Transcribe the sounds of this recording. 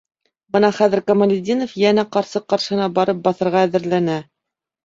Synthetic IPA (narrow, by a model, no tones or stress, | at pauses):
bɤnɑχæðɘɾkɐmɐlʲɪd̪ʲinofjænæqɑɾsɤqɑɾʃɤ̆ɤnɑbɑɾɤp̚bɑθɤ̆ɾʁɑæðɘ̆ɾlænæ